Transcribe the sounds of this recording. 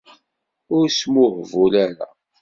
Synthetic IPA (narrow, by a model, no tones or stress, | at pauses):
ʊɾsmʊhvulæɾa̰